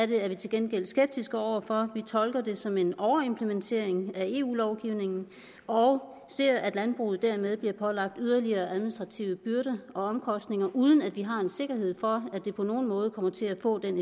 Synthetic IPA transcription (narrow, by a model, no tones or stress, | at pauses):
de̝æɐʋit͡sʰe̝lɡ̥enɡ̥el̰sɡ̥eb̥̚d̥isɡ̥əɒʊ̰ɐfɒ̽ʋit͡sʰɒ̽lɡ̥ɐd̥e̝sɒ̽me̝nɒʊɐe̝mpʰlement͡sʰe̝̰ɐ̰e̝ŋæe̝̰ːṵːlɒʊɡ̥iʊ̰ne̝ŋn̩ | ɒʊ | se̝ɐ̰æd̥lænb̥ʁṵːð̩ˠd̥æɐmeð̞ˠb̥liɐpʰɒ̽lɑ̈ɡ̥̚d̥yð̞ˠɐliɐːʔæðˠminisd̥ʁɑ̈t͡sʰiʊəb̥yɐɾəɒ̽ɒ̽mkʰɒ̽sd̥ne̝ŋɐʔuːð̞ˠn̩æd̥ʋiɦɑ̈e̝nse̝ɡ̥ɐɦe̝ð̞̰ˠfɒ̽æd̥e̝pʰɒ̽no̝ːn̩mɔ̽ːð̞ˠəkʰɒ̽m̰ɐt͡sʰe̝læfɔ̰̽ːd̥en